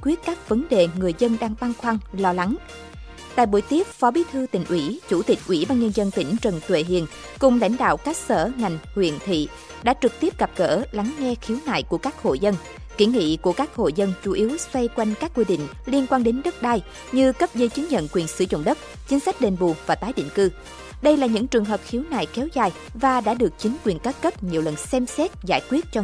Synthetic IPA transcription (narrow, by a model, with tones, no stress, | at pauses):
kwi˦˥ət̚kaː˦˥k̚və˨˦nɗe˨˩ŋɨ˨˩əjzə˧nɗaː˧ŋt̪aː˧ŋxwaː˧ŋlɔ˧la˨˦ŋ | t̪a̰ː˧˨jɓu˧˩˦jt̪i˦˥əp̚fɔ˨˦ɓi˨˦t̪ʰɨ˧t̪ï˨˩ŋ̟ʔwi˧˩t͡ɕu˧˩t̪ï˨˩k̟̚ʔwi˧˩ɓaː˧nɲə˧nzə˧nt̪ï˧˩ŋ̟t͡ɕə˨˩nt̪wḛ˧˨ɦḭ˧˨ən | kʊ˨˩ŋ͡mla̰˧˥jŋ̟ɗa̰ː˧˨wka˦˥k̚səː˧˩ŋa˨˩jŋ̟hwḭ˧˨ənt̪ʰḭ˧˨ | ɗa̰ː˧˥t͡ɕɨ˨˩k̚t̪i˦˥əp̚ɣa˨˩p̚ɣə̰ː˧˥˩la˨˦ŋŋɛ˧xi˨˦wna̰ː˧˨jku˧˩əkaː˦˥k̚ho̰˧˨zə˧n | ki˧˩ŋḭ˧˨ku˧˩əkaː˦˥k̚ho̰˧˨jzə˧nt͡ɕu˧˩ʔi˨˦əwswa˧jkwa˧jŋ̟kaː˦˥k̚ːwi˧ɗḭ˧˨ŋ̟li˧ənkwaː˧nɗe˨˦nɗə˦˥t̚ɗaː˧j | ɲɨ˧kə˦˥p̚ɣə˧jt͡ɕɨ˨˦ŋɲə̰˧˨nkwi˨˩ənsɨ̰˧˩zʊ̰˧˨ŋ͡mɗə˦˥t̚ | t͡ɕi˨˦ŋ̟sa˦˥k̟̚ɗe˨˩nɓṵ˨˩vaː˨˩t̪aː˨˦jɗḭ˧˨ŋ̟kɨ˧ | ɗə˧jlaː˨˩ɲɨ̰˧˥ŋt͡ɕɨ˨˩əŋɦəː˨˩p̚xi˨˦əwna̰ː˧˨˩jkɛ˨˦wzaː˨˩j | vaː˨˩ɗa̰ː˧˥ɗɨ˨˩ək̚t͡ɕï˨˦ŋ̟kwi˨˩ənkaː˦˥t̚kə˦˥p̚ɲi˨˩əwlə˨˩nsɛ˧msɛ˦˥t̚za̰ː˧˩jkwi˦˥ət̚t͡ɕɔ˧